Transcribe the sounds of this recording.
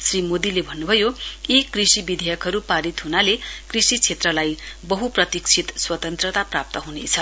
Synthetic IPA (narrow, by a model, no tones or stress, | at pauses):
srimod̪ilebʱʌnːubʱʌjoikrisibid̪ʱejʌkɦʌɾupaɾit̪ɦunalekrisit͡sʰet̪rʌlajbʌɦuprʌt̪ikt͡sʰit̪swʌt̪ʌnt̪rʌt̪aprap̚t̪ʌɦunet͡sʰʌ